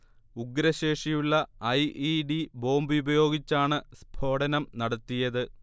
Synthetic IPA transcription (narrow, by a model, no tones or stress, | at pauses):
uɡɾɐɕe̞ːʂijuɭːɐɐjʔiɖibo̞ːmbjubɐjo̞ːɡit͡ɕːaːɳɨsb̥ʱo̞ːɽɐnɐmnɐɽɐt̪ːijɐðɨ